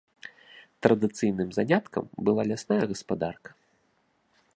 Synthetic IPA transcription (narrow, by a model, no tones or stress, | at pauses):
t̪ɾɐd̪ɨt̪sɨjn̪ɨmzanʲat̪kɐ̰mbɨlˠalʲasnajɐɣɐspad̪arkɐ̥